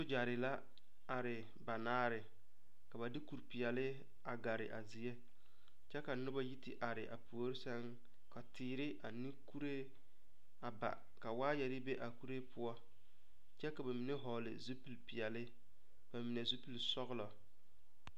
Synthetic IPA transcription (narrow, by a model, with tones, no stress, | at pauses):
so˦d͡ʒa˨ɾɪ˨la˦ | a˨ɾɪ˨ | ba˨naː˦ɾɪ˨ | ka˨ba˨dɪ˦ku˨ɾpɪ˨ɛ˨lɪ˦ | a˨ɡa˨ɾɪ̰˨ʔa̰˨zi˨e˦ | t͡ʃɛ˦ka˨nʊ˦ba˦ji˦tɪ˦ʔa˨ɾɪ˨ʔa̰˨pu˨o˦ɾɪ˦sɛ˦ŋ | ka˨tɪː˨ɾɪ˦ʔa˨ni˦ku˦ɾe˦ | a˨ba̰˨ | ka˨waː˦jɛ˨ɾɪ˦be˦ʔa˨ku˦ɾe˦pʰʊ˦ɔ˦ | t͡ʃɛ˦ka˨ba˨mi˨ne˦ɦɔ˨lɪ̰˨zu˦pi˨lpi˨ɛ˨lɪ˦ | b̥a˨mi˨ne˨zu˦pi˨lsɔ˦ɣɪ˦lɔ˨